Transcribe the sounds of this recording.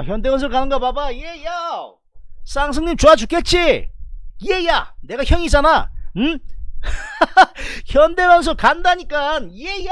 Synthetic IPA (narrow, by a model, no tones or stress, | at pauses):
çjʌnde̞wʌns̬ʰɯkanɯnɡapabaijeja | s͈ʰaŋsʰʌŋɲimt͡ɕoad͡ʑuk͈et̚t͡ɕ͈i | ijejane̞ɡaçjʌŋis͈ana | çjʌnde̞wʌns̬ʰɯkandaɲik͈anijeja